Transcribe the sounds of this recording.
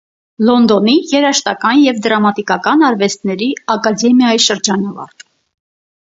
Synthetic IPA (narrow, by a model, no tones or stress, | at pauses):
lɔnd̪ɔnijɛɾɑʃt̪ɑkɑnjɛvd̪ɾɑmɑt̪ikɑkɑnɑɾvɛst̪nɛɾiɑkɑd̪ɛmjɑjiʃəɾd͡ʒɑnɑvɑ̰ɾt̪ʰ